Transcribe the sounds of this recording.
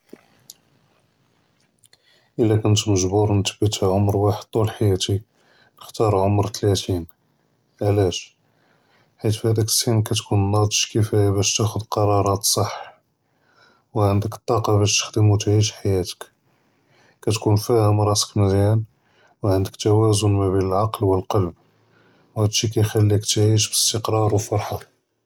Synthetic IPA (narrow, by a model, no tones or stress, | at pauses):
ʔəlːækʊnt̪məʒbuɾnət̪əbːət̪hæʕomɾwaħəd̪̚t̪ːˤulħajæt̪i | nəxt̪ɑɾˤʕomɾt̪læt̪in | ʕlæʃ | ħit̪fhæd̪ækə̥sːinkæt̪kunnːɑd̪ˤʃkəfæjæbæʃt̪æxʊd̪qɑɾˤɑɾˤɑt̪sˤɑħ | wʕənd̪əkə̥t̪ˤːɑqɑbæʃt̪ə̥xd̪əmut̪ʕiʃħajæt̪ə̥k | kæt̪kunfæhəmɾˤɑsə̥kməd̪jæn | wʕənd̪əkt̪æwæzʊnmæbinəlʕɑqlwəlqɑlb̚ | whæd̪ʃikæjxælːikt̪ʕiʃbəst̪əqɾˤɑɾˤwəlfɑɾˤħɑ